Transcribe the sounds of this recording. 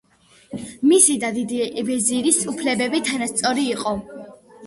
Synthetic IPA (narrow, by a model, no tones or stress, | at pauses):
misid̪ad̪id̪iɛbɛziɾisupʰlɛbɛbit̪ʰanast̪sʼɔɾiːqʼɔ